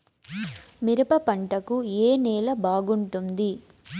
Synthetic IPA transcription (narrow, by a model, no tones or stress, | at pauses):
miɾɐpɐpɐɳʈɐkueːnɛːlɐbaːɡuɳʈund̪i